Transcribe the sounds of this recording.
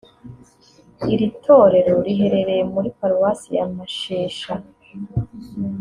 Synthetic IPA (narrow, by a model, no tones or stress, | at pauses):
iɾitʰo̞ːɾe̞ɾoɾiɦe̞ɾe̞ɾe̞jemuɾipaɾwasijamaʃeːʃa